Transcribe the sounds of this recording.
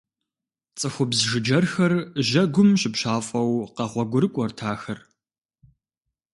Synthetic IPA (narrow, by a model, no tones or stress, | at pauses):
t͡sʼɨxʷʊbzʒɨd͡ʒɐrxɐrʑɐɡʷʊmɕɪpɕaːfʼɐwqɐʁʷɔɡʷʊɾɨkʷʼɔrtʰaːxɐr